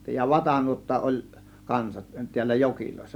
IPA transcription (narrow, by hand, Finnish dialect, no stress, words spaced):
jɑ ʋɑtɑnuotːɑ ʔol kɑnsɑt tiælːæ jokiloˑe̝sːɑ